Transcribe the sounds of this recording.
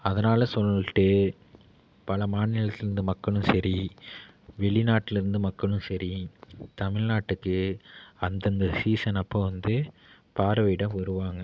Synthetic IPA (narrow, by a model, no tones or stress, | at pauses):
ɐðɐnaːlɐsɔlːʈːɯ | pɐlɐmaːnɪlɐt̪ːɪlɪɾɯnd̪ɯmɐkːɐɭɯ̃msɐɾi | ʋɛɭɪnaːʈːɪlɪɾɯnd̪ɯmɐkːɐɭɯ̃msɐɾit̪ɐmɪɻnaːʈːɯkːɯɐnd̪ɐnd̪ɐsiːsɐnɐpːõːʋɐnd̪ɯ | paːɾɐʋɐɪɽɐ̃mʋɐɾɯʋaːŋɡɐ